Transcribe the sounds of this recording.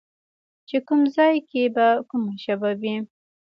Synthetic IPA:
t͡ʃekumzɑjkebakumaʃababi

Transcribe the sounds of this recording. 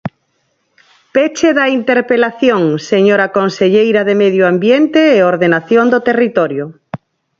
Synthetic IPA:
pet͡ʃeðaint̪eɾpelaθjoŋseɲoɾakonseʎejɾaðemeðjoambjent̪eːoɾðenaθjond̪ot̪erit̪oɾjo

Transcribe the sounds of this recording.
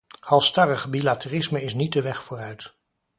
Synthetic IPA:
hɑlˠstɑrəχbilatərɪsməɪsnit̚dəʋɛχfʊːrœɥt

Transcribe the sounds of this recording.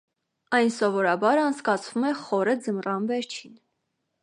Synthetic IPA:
ɑjnsɔvɔɾɑbɑɾɑnt͡sʰkɑt͡sʰvumɛχɔɾəd͡zəmrɑnvɛɾt͡ʃʰin

